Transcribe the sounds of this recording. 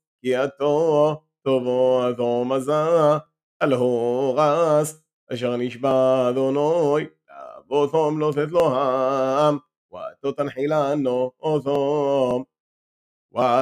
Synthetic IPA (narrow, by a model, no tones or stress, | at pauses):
kiat̪o | t̪ovoaðomazaa | alɦoʁas | aʃ̬eʁniʃbaːðonoj | a̰boθomloθet̪lohaaːm | wa̰t̪ːot̪anħilanːooθom | wa